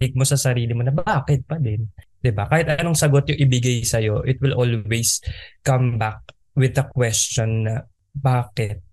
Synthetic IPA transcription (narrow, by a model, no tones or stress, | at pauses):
ɪɡ̚mo̞sɐsɐɾiːlɪmo̞nɐbaːkɛt̪̚pɐd̪ɛnd̪̥ɪbakaːhɪt̪ɐɐnoŋsɐɡo̞t̪̚jʊŋʔɪbɪɡajsɐjo̞ʔɪt̪̚wɪlʔolwejskɐmbak̚ | wɪd̪ɐkwɛst͡ʃt͡ʃonːɐ | baːkɛt̪̚